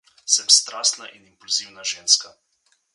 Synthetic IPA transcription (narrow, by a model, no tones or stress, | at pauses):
sɛmst̪ɾaːst̪naʔinimpulziwnaʒeːnska